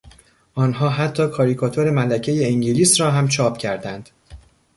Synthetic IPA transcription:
ʔɒːnɦɒːɦæt̪ʰːɒːkʰɒːɾikʰɒːt̪ʰoɾe̞mælæcʰe̞je̞iŋɟiliːsɾɒːɦæmt͡ʃʰɒːpcʰæɾd̪ænd̪̥

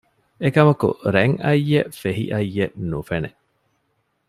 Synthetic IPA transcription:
ekɐmɐkṵɾeŋɐjːefeɦḭʔɐjːeʔnufene

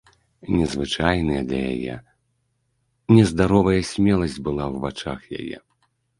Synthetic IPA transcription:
nʲɛzvɨt͡ʂajnɨjɛd̪lʲɐ̰ja̰jɛ̰ | nʲɛzd̪aɾɔvɐjɐsʲmʲɛlˠɐsʲd͡zʲbɨlˠawvat͡ʂaxja̰jɛ̰

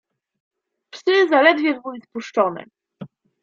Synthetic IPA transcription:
fsɘzalɛd̪vʲjɛvuispuʂt͡ʂɔnɛ̰

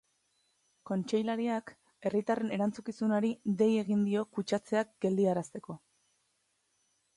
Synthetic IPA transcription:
ko̞nt͡ʃe̞jlaɾiak | e̞rit̪are̞ne̞ɾant͡sukisunoɾiðe̞je̞ɣind̪io̞kut͡ʃat͡se̞ak̚ɡe̞ld̪iaɾast̪e̞ko̞

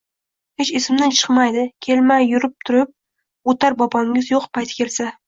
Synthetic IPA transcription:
het͡ʃɪsɪmnɪt͡ʃʰɨ̥qmajd̪ɪkʲʰe̞lmajːʊɾɪp̚t̪ʰʊɾɪp̚ | ot̪ʰaɾbɒpʰɒŋʲɪzjoqpʰajt̪ʰɪ̥kʲe̞lsa

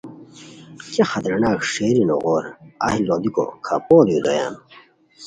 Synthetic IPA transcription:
t͡ɕexɐt̪ɐɾnaːkʂeːɾino̰ɣoːɾɐ̰hilod̪iko̰kʰa̰poːd̪jud̪oja̰ːn

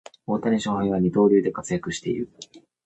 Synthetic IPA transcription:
oːt̪aɲʲiɕohãĩβaɲ̟it̪o̞ːɾʲɯːd̪e̞kat͡sɨjakɯ̟ɕi̥t̪e̞̰ḭɾɯ̟

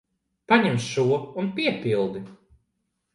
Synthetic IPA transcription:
paɲɛmsʃuɔunpʲiɛpʲilˠd̪i

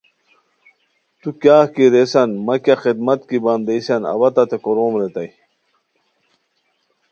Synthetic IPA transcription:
t̪ukjaːkiɾesɐnmɐkjaxid̪mɐt̪kibɐnd̪eisɐnɐ̰bɐt̪ɐt̪ʰekoɾoːmɾet̪ɐj

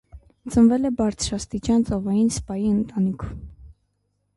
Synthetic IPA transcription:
t͡sənvɛlɛbɑɾt͡sʰɾɑst̪it͡ʃɑnt͡sɔvɑjinspɑjiənt̪ɑnikʰu

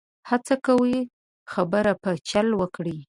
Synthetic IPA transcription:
hat͡sakawi | xabəɾapət͡ʃalwəkɽi

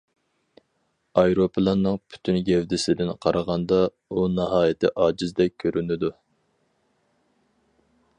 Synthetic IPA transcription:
ɑjɾopʰɨlˠɑnːɨŋpʰy̥t̪ʰynɡʲɛwd̪ɪsɪd̪ɪnqʰɑɾʔɑʁɑnd̪ɑ | unɑɦɑːjɪt̪ʰɪʔɑːd͡ʒɪzd̪ɛk̚ʲkʲʰːøɾʔynɪd̪u

